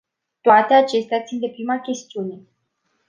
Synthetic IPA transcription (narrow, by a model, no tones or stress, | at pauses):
t̪oat̪e̞at͡ʃe̞st̪eat̪sind̪e̞pɾimakʲe̞st̪iune̞